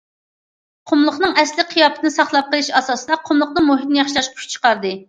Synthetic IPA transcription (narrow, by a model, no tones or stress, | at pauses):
qʰʊmlˠʊχnɨŋɛslɪqʰijɑːpʰɪt̪ɪnɨsɑχlˠɑp̚qəlˠɨʃɑsɑːsɨd̪ɑqʰʊmlˠʊχ̚nɨmoɦit̪̚nɪjɑχʃilˠɑʃʰy̥ʃt͡ʃʰə̥qɑɾd̪ɨ